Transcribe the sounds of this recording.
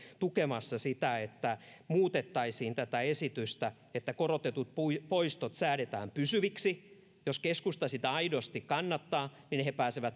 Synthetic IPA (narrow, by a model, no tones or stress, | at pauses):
t̪ukemɑsːɑsit̪æet̪ːæmuːt̪et̪ːɑisiːnt̪æt̪æesit̪yst̪æ | et̪ːækorot̪et̪ut̪̚puipoist̪ot̪sæːɾet̪æ̰ːmpysyʋiksi | joskeskust̪ɑsit̪æɑidost̪ikkɑnːɑt̪ːɑːninhepæːseʋæt̪